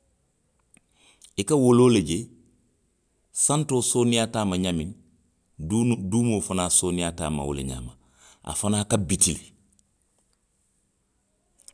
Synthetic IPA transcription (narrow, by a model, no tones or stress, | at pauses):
ikɐwoloːleɟe | santoːsonijataːmaɲamin | duːmofanaːsoːnijata̰ːma̰wṵlḭɲa̰ma | ʔa̰fanaːkabitil